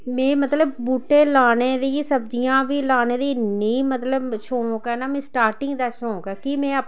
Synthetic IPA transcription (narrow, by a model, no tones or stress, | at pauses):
mẽːmət̪ləb̚buːʈeːlaːneːd̪iːsəb̚d͡ʒijãːbiːlaːneːd̪iːniːmət̪ləbʃõːkɛːnaːmẽːsʈaːɾʈɪŋɡd̪aːʃõːkɛːkimẽːə